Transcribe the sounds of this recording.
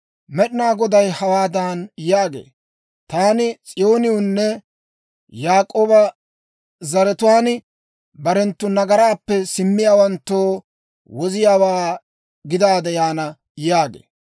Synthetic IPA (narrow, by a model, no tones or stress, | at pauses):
mɛɗɪnaːɡɔd̪ɐjhɐwaːd̪aːnjaːɡḛː | t̪aːnɪt͡sʼɪjo̞ːnɪʊnːɛ | jaːkʼoːbɐ | zɐɾɛt̪ʊwaːn | bɐɾɛnt̪ːʊnɐɡɐɾaːpːɛsɪmːɪjaːwɐnt̪ːoː | wɔzɪjaːwaː | ɡɪd̪aːd̪ɛjaːnɐ | jaːɡḛː